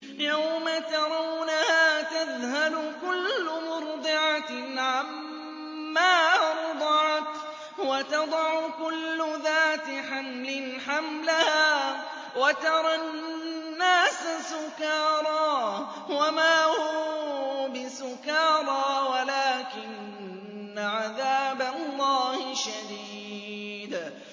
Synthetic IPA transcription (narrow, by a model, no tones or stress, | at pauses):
jawmat̪ɑɾˤɑwnahaːt̪aðhalʊkʊlːʊmʊɾd̪ˤɨʕaʕamː | aːɾɑd̪ˤɑʕɑt̪ | wat̪ɑd̪ˤɑʕʊkʊlːʊðaːt̪ɪħamlɪnħamlɪhaː | wat̪ɑɾˤɑn | nːaːsasʊkɑːɾˤɑː | wamaːhuːbɪsʊkɑːɾˤɑːwalaːkɪnː | aʕaðaːbalˤːɑːhɪʃad̪iːd̪